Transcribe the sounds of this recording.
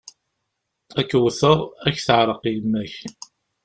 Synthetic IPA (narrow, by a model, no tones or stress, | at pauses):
ækːwθəʁæçθəʕɾˤəqimːæç